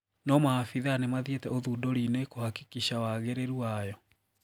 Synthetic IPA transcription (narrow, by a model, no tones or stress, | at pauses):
nɔmaafiðanemaðietɛoðuːdɔɾinekohaki̥kiɕawaɣɛɾeɾuajɔ